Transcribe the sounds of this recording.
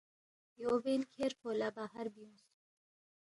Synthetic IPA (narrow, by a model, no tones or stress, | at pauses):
joːbenkʰeːɾfoːlabaːɦɐɾbijũs